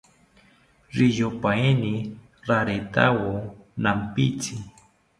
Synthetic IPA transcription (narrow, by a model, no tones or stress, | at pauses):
ɾɪjopaeni | ɾaɾet̪a̰wonampit͡sɪ